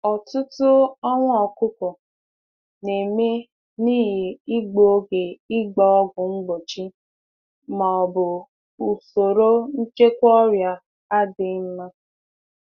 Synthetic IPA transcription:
ɔ˨tʊ˦tʊ˦ɔ˦ŋʷ˦ɔ˨kʊ˦kɔ˨ | ne˨me˦ | niː˦ɦi˨i˦ɡ͡bo˨o˦ɡe˨ɪ˦ɡ͡bɔ˨ɔ˦ɡʊ˨ŋ͡m̩˦ɡ͡bo˨t͡ʃi˦ | ma˨ɔ˨bʊ˨ | u˨so˨ɾo˦n̩˦t͡ʃe˦kʷɔ˦ɾja˨ | a˦dɪ˨˦m̩˦ma˦

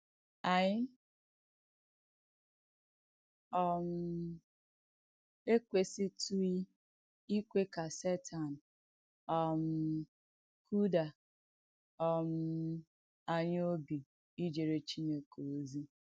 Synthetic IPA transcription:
a˨ɲɪ˦ | ɔ˦m̩˦ | e˦kʷe˨si˦tu˦i˦ | i˦kʷe˦ka˨se˦tʰa˨n̩˨ | ɔ˨m̩˦ | kʰu˦da˨ | ɔ˨m̩˦ | a˨ɲ˦o˦bi˨ | i˦d͡ʒe˨ɾe˨t͡ʃi˦ɲe˨ko˨˦zi˦

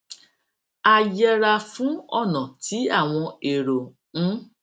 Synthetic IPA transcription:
a˨jɛ˧ɾa˧fũ˨˦ɔ̰˦˨nã˨tʰi˨˦a˦˨w̃ɔ̃˧e˨ɾo˨ | ñ̩˦

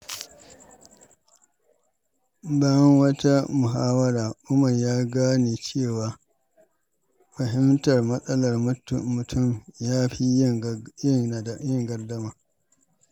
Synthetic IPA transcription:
ba˦jɐ˦ŋwɐ˦ta˦mʊ˨ɦaː˦wɐ˦ɾaː˨ʔʊ˦mɐ˨rjaː˦ɡaː˦niː˨t͡ʃeː˦˨waː˨ | ɸɐ˨ɦɪ˦mtɐ˨rmɐ˦sʼɐ˦lɐ˨rmʊ˨tʰʊ˦˨mjaː˦ɸi˦jɪ˦˨ŋjɪ˦ŋɡɐ˨rdɐ˦maː˨

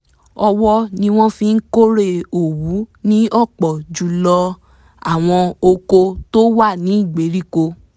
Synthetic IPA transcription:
ɔ˧wɔ˦nĩ˧w̃ɔ̃˦fĩ˧n̩˦ko˦ɾe˦˨o˨wu˨˦nĩ˦ɔ˦˨k͡pɔ˨d͡ʒu˨lɔ˧ | a˨w̃ɔ̃˧o˧ko˧to˦wa˦˨nĩ˨˦i˦˨ɡ͡be˨˦ɾi˦ko˧

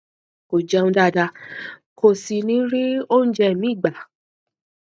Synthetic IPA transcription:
ko˨d͡ʒɛ˧nũ˧˦da˦˨da˧ | kʰo˨si˧nĩ˨˦ɾi˦o˦n̩˦d͡ʒɛ˧˦˨mĩ˨˦˨ɡ͡ba˨

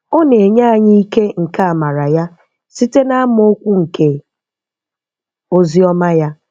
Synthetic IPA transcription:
o˦ne˨ɲa˦a˨ɲi˦i˦ke˦ŋ̩˨ka˦a˨ma˨ɾa˨ja˦ | si˦te˦na˦a˦m˦o˦kʷu˦ŋ̩˨ke˨ | o˦zi˦ɔ˦ma˦ja˦

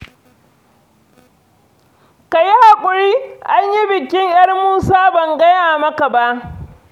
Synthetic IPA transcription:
ka˨ji˦ha˨kʷʼʊ˨ɾiː˦ʔa˦ɲji˦bɪ˨kʲɪ˦ɲjɐ˦rmuː˦saː˦bɐ˨ŋɡɐ˦jaː˨mɐ˦ka˨ba˦ʔ

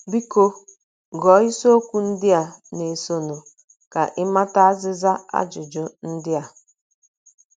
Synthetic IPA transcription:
bi˦ko˦ | ɡɔ˨˦i˦so˦o˦kʷu˦n̩˦dɪ˦a˨ne˨so˨no˨ | ka˨ʔɪ˦ma˦ta˦a˦zɪ˦za˦a̰˦d͡ʒʊ˨d͡ʒʊ˨n̩˦dɪ˦a˨

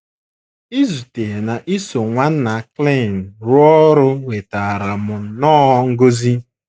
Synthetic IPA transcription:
i˦zu˨te˨na˨ʔi˦so˨ŋʷa˦n̩˦na˨kle˦˨n̩˨ɾʊ˦ɔ˦ɾʊ˦we˨ta˨ɾa˨mʊ˨nɔː˦ɔ˦ŋ̩˦ɡo˦zi˦

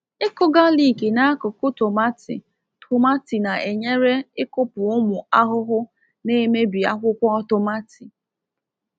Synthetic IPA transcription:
ɪ˦kʊ˦ɡa˦li˦˨ke˨na˦a˦kʊ˨kʊ˦to˨ma˦tḭ˨ | tʰʊ˨ma˦ti˨na˨ʔe˨ɲe˦ɾe˦ɪ˦kʊ˦pʊ˨ʊ˦mʊ˨a˦ɦʊ˦ɦʊ˦ | ne˦me˦bi˨a̰˦kʷʊ˦kʷɔ˦ɔ˦to˨ma˦tʰi˨

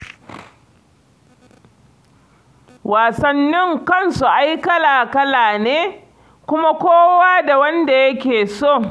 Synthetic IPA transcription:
wʔaː˨sɐ˨nːɪ˦ŋkɐ˦nsu˨ʔa˦jkɐ˦laː˨kɐ˦laː˨neː˦ | kʷʊ˦ma˦kʷoː˦waː˦da˨wɐ˦nda˨jɐ˦kʲeː˨so˦˨ŋ

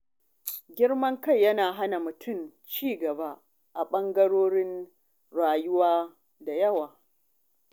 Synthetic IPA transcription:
ɡʲɪ˦ɽmɐ˦ŋkɐ˦˨jːɐ˦naː˨ɦa˦na˨mʊ˨tʰʊ˦˨mt͡ʃiː˦ɡɐ˨ba˦ | ʔa˨ɓɐ˦ŋɡɐ˦ɽoː˦ɽɪ˦n | ɽaː˨jʊ˦waː˦ | da˨jɐ˦waː˨

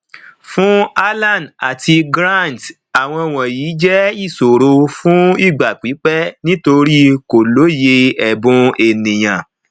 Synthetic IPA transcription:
fũ˦a˦lã˦˨n˨da˨ti˧ɡɾã˦˨nd | a˨w̃ɔ̃˧w̃ɔ̃˨jiː˨˦d͡ʒɛ˦i˦˨so˨ɾo˧fũ˦i˦˨ɡ͡ba˨k͡pi˨˦k͡pɛ˦nĩ˦to˧ɾi˦ko˨lo˨˦je˧ɛ˨bũ˨e˨nĩ˨j̃ã˨

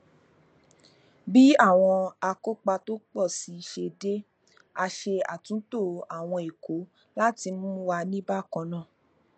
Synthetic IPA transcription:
bi˦a˦˨w̃ɔ̃˧a˧ko˦k͡pa˧to˦k͡pɔ˦˨si˨˦i˧ʃe˧de˦ | a˧ʃe˧a̰˨tũ˨˦to˦˨a˨w̃ɔ̃˧i˨ko˨˦ | la˦ti˧m̩˦wa˧nĩ˦ba˦˨kɔ̃˧nã˦˨

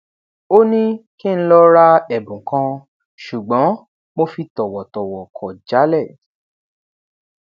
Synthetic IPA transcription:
o˦nĩ˦ki˦ñ̩˦lɔ˦ɾa˦ɛ˦˨bũ˨kã˧ | ʃu˨ɡ͡bɔ̃˨˦ | mo˧fi˧tɔ˨wɔ˨tɔ˨wɔ˨kʰɔ˨d͡ʒa˨˦lɛ˦˨

